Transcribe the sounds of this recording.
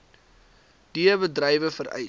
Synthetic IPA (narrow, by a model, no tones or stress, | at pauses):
d̥iəbədrɛjvəfəɾɛ̰j